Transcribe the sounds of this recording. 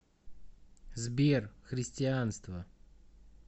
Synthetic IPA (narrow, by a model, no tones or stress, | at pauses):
zbʲerxɾʲɪsʲtʲɪanst̪və